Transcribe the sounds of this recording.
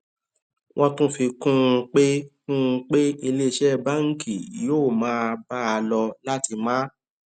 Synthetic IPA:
wʔɔ̃˦tũ˦fi˧kũ˦˧k͡pe˦kũ˦˧k͡pe˦i˧le˦˧ʃɛ˦ba˦˨ŋ̩˦kʰi˨joː˦˨mãː˦˧ba˦a˧lɔ˧la˦ti˧mã˦

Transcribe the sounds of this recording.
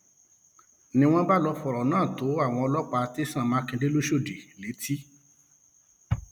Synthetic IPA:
nĩ˧w̃ɔ̃˦ba˦lɔ˧fɔ˨ɾɔ˨nãː˦˨to˨˦a˦˨w̃ɔ̃˧ɔ˧lɔ˦k͡pa˧ti˦sã˦˨mãː˨˦kĩ˧de˦lo˦ʃo˦˨de˨le˨˦ti˦

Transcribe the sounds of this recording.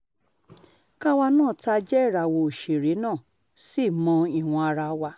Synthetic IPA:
ka˦wa˧nãː˦˨ta˧d͡ʒɛ˦˨ɾa˨wo˧˨o˨ʃe˨ɾe˨˦nãː˦˨ | si˦˨mɔ̃˧i˨w̃ɔ̃˧a˧ɾa˧˦wa˧

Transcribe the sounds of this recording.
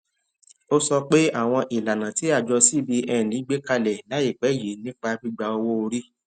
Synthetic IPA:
o˦sɔ˧k͡pe˦a˦˨w̃ɔ̃˧ʔi˨la˨nã˨ti˨˦a˦˨d͡ʒɔ˧si˦˨bi˧ʔɛ˧˨lĩ˨˦ɡ͡be˦ka˧lɛ˨la˨˦i˦˨k͡pɛ˨˦˨je˨˦nĩ˦k͡pa˧bi˦ɡ͡ba˧o˧wo˦o˧ɾi˦

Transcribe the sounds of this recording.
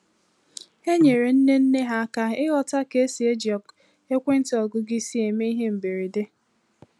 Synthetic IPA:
he˦ɲe˨ɾe˨n̩˦ne˦n̩˦ne˦ɦa˦ka˨ɪ˦ɣɔ˨ta˦ke˦si˨e˦d͡ʒi˨ɔ˨k | e˦kʷe˦n̩˦tɪ˦ɔ˨ɡʊ˦ɡɪ˦si˦e˨me˦i˦ɦe˦m̩˨be˨ɾi˨de˦

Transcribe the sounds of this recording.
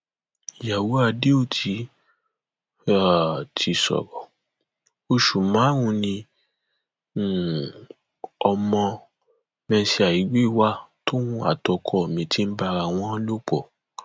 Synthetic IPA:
i˨ja˨wo˨˦a˧de˦o˦˨tʰi˨˧˦ | a˦˨tʰi˧sɔ̰˨ɾɔ˨ | o˧ʃu˨mãː˨˦wũ˧˦nĩ˧˨ | ɔ˧mɔ̃˧ | mɛ̃˧˦si˧a˨i˨˦ɡ͡be˦i˦˨wa˦to˦wũ˧a̰˨tɔ˧kʰɔ˧˨mĩ˧ti˦n̩˦ba˧ɾa˧˨w̃ɔ̃˦lo˦k͡pɔ˨

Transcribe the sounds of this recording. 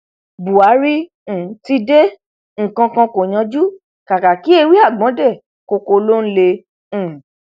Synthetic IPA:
bu˨a˨˦ɾi˦˨˦ | ti˧de˦ | ŋ̩˨kã˧kã˧ko˨j̃ã˧d͡ʒu˦ | ka˨ka˨ki˦e˧wi˦a˦˨ɡ͡bɔ̃˨˦dɛ˦˨ | ko˧ko˧lo˦n̩˦lẽ˧˨

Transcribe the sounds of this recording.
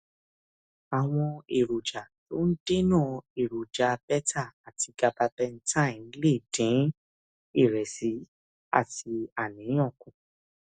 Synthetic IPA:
a˨w̃ɔ̃˧e˨ɾo˨d͡ʒa˨to˦n̩˦de˦nãː˦˧e˨ɾu˨d͡ʒa˨bɛ˦ta˦˨a˨ti˧ɡa˧ba˧bɛ˧n̩˦tã˦˨˦le˦˨dĩ˨˦ | i˦˨ɾɛ˨si˨˦ | a̰˦˨ti˧a˨nĩ˨˦ɔ̃˦˨kũ˨

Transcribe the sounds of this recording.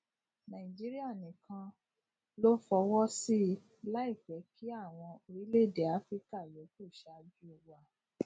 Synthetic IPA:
nã˨i˨d͡ʒi˦ɾi˦a˦˨nĩ˨kã˧ | lo˦fɔ˧wɔ˦si˦ | la˦i˦˨fɛ˨˦kʰi˦a˦˨w̃ɔ̃˧o˧ɾi˦le˦˨de˨a˨˦fɾi˦ka˦˨je˨˦ku˦˨ʃa˧˦d͡ʒu˦o˧wa˧˦

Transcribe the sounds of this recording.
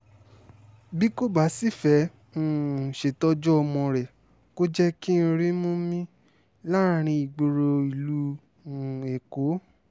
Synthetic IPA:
bi˦ko˦ba˨˦si˦˨fɛ̃˨˦˨ | ʃe˨tɔ˧˦d͡ʒɔ˦ɔ˧mɔ̃˧ɾɛ˨ | ko˦d͡ʒɛ˦ki˦˧ɾĩ˦mõ˦mĩ˦ | la˦ɾ̃ĩ˧i˨ɡ͡bo˧ɾo˧i˨lu˦˨ | e˨ko˨˦

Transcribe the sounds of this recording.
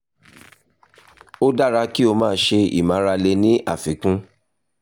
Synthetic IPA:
o˦da˦˨ɾa˧ki˦o˧mãː˦˧˦ʃe˧ḭ˦˨mã˨˦ɾa˧le˧nĩ˦a˦˨fi˨˦kũ˦

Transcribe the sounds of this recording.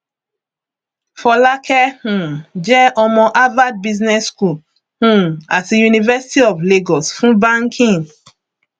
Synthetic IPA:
fɔ˨la˦kʰɛ˦hũ˨d͡ʒɛ˦ʔɔ˨mɔ̃˨ʔa˦va˦d̚bi˦znɛ˦sku˨l | hũ˦a˨ti˨ju˨ni˨vɛ˦si̥˦ti˦ɔ˨vle˦ɡɔ˨sfũ˦bã˦ŋkʰĩ˦n

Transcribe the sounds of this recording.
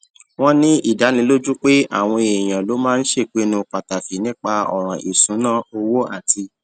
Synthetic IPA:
w̃ɔ̃˦nĩ˦i˦˨da˨˦nĩ˧˦lo˦d͡ʒu˦k͡pe˦a̰˦˨w̃ɔ̃˧e˨j̃ã˨lo˨˦mãː˦n̩˦ʃe˦˨k͡pe˨˦nũ˧k͡pa˨ta˨fi˨˦nĩ˦k͡pa˧ɔ̰˨ɾ̃ã˨ʔi˨sũ˨˦nãː˦˨o˧wo˦a˦˨ti˧

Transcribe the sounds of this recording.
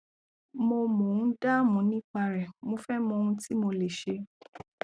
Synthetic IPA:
mo˧mɔ̃˨ũ˨˦da˦˨mũ˨˦nĩ˦k͡pa˧ɾɛ˨mo˧fɛ˦mɔ̃˧ũ˧ti˦mo˧le˨ʃe˧˦

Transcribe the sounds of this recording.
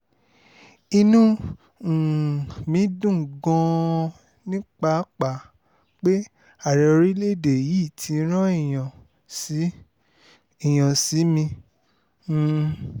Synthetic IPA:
i˧nũ˦˨ | mĩ˨˦dũ˦˨ɡɔ̃˧ | nĩ˦k͡pa˧˦k͡pa˨ | k͡pe˦ | a˦˨ɾɛ˨o˧ɾi˦le˦˨de˨ji˨˦˨tʰi˨˧˦ɾ̃ã˦i˦˨j̃ã˨ | si˨˦ | i˦˨j̃ã˨si˨˦mĩ˧˦˨

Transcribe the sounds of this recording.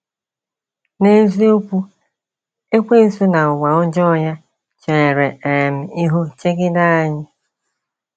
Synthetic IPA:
ne˦zi˦o˦kʷu˦ | e˦kʷe˦˨su˦na˨ʊ˨ɡ͡ba˨ʊ˦d͡ʒɔ˦˨ja˦ | t͡ʃe˨ɾe˨e˨m̩˨i˦ɦu˦t͡ʃe˦ɡɪ˦da˦a˦˨ɲɪ˦

